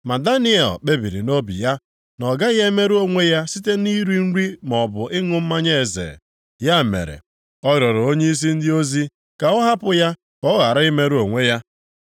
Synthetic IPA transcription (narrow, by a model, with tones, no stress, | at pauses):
ma˨da˦ni˦ɛ̰˨lk͡pe˦bi˨ɾḭ˨no˦bḭ˨ja˦ | nɔ˨ɡa˦ɣe˦me˦ɾu˦o˨ŋʷe˦ja˦si˦te˦ni˦ɾi˦n̩˦ɾi˦m˨ɔ˨bʊ˨ʔɪ˦ŋʊ˦m̩˦ma˦ɲe˦e˨zḛ˨ | ja˦˨mḛ˨ɾḛ˨ | ɔ˦ɣɾɔ˨ɾo˦ɲe˦i˦s̬i˦n̩˦dɪ˦o˦zi˦ | ka˨ʊ˦ɦa˦pʊ˦ja˦ | kɔ˦ɣa˨ɾa˦ɪ˦me˦ɾu˦o˨ŋʷe˦ja˦